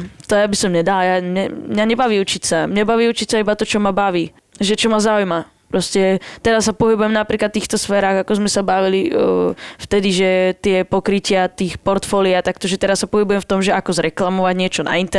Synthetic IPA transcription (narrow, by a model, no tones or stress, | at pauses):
t̪ɔjabisɔmɲɛd̪aljamɲɛmɲaɲɛbaʋiːut͡ʃicsamɲɛbaʋiːut͡ʃicsaibat̪ɔt͡ʃɔmabaʋiː | ʒɛt͡ʃɔmazaujma | pɾɔscɛt̪ɛɾasːapɔɦibujɛmnapɾiːklat̪ːiːxt̪ɔsfɛːɾaːɣakɔzmɛsabaʋili | ft̪ɛd̪iʒɛt̪ɪɛpɔkɾicɪat̪iːxpɔɾt̪fɔliat̪akt̪ɔʒɛt̪ɛɾassapɔɦibujɛmft̪ɔmʒɛʔakɔzɾɛklamɔʋaɟɲɪɛt͡ʃɔna̰int̪ɛ